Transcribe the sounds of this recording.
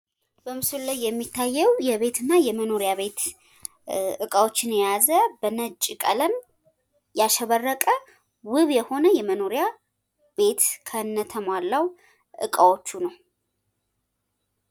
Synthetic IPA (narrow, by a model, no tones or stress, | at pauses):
b̥əmɨsullajːɛmːit̪ʰːajːɛwjɛβe̞t̪ʰɨnːajɛməno̞ɾijaβe̞t̪ | ʔɨkʼawo̞t͡ʃːɪnjɛjazəbənət͡ʃʼːikʼələn | jaʃɛβərːəkʼə | wɨβjɛho̞nəjɛməno̞ɾja | be̞t̪kʰənːət̪ʰəmwalːaw | ʔɨ̰kʼawo̞t͡ʃːunəw